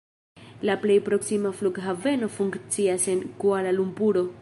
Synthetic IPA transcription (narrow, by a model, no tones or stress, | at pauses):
laple̞jpɾo̞ksimafluɡɦave̞no̞fuŋkt͡siase̞nkualalumbuɾo̞